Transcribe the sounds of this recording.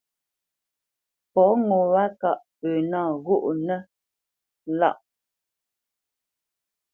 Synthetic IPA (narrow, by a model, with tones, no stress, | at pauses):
pɔ˨˦ŋo˨wa˦ka˨ʔpə˨naː˦˨ɣo˦ʔnɛ˦ | la̰˦˨ʔ